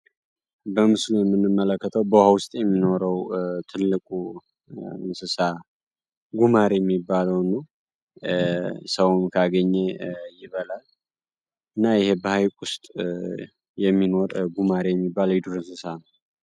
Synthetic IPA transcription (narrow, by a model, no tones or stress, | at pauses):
bəmɨslujɛmːɨnːɨmːələkʰːət̪ʰəwbəwhawʊst̪ʼjɛmːino̞ɾəwt̪ʰɨlːɨkʼu | nsɨsa | ɡumaɾejɛmːibːaləwnəw | səwunkʰaɡəɲːejɪβəlal | ɨnːajɪhe̞bəhajkʼʊst̪ʼ | jɛmːino̞ɾɡumaɾejɛmːibːalwjɪd̪uɾɨnsɨsanəw